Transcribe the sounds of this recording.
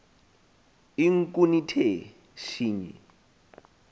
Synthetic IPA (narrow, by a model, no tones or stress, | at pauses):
iŋ̩kʼunitʰeɛ | ʃiːɲɛ̰